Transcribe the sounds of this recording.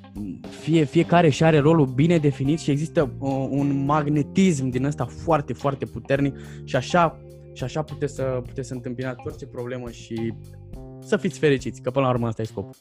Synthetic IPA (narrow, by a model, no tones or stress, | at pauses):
fie̞fije̞kaɾe̞ʃiaɾe̞ɾo̞lubine̞d̪e̞finit̪ʃie̞ɡzist̪əunmaɡne̞t̪is̬md̪inəst̪afoart̪e̞foart̪e̞put̪e̞rnikʃiaʃa | ʃiaʃaput̪et̪sʲsəput̪esɨnt̪ɨmpinat̪sort͡ʃe̞pɾo̞ble̞məʃi | səfit̪sʲfe̞ɾit͡ʃit̪sʲkəpɨnlauɾməəst̪ajsko̞pu